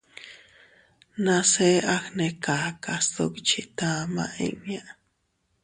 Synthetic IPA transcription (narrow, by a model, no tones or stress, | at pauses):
naseʔaxnekaːkast̪okt͡ʃʰit̪aːma̰ʔḭwjaʔ